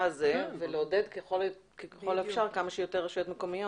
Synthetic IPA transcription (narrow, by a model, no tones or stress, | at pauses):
azeveleode̞d̪keχol | kekχo̞lefʃaʁkamaʃeijo̞t̪eʁːeʃujotmeko̞mijo